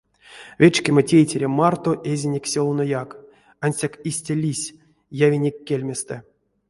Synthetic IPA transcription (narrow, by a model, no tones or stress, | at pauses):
vʲet͡ʃkʲematʲejtʲeɾʲemart̪oʔezʲinʲekʲsʲolˠnojak | anʲsʲakisʲtʲalʲisʲ | javʲinʲekʲːelʲmʲest̪ɛ